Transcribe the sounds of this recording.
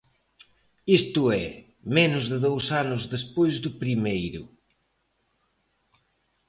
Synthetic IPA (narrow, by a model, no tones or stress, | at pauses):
ist̪ʊɛ | menʊzðɪðowsanʊzðespojzðʊpɾimejɾʊ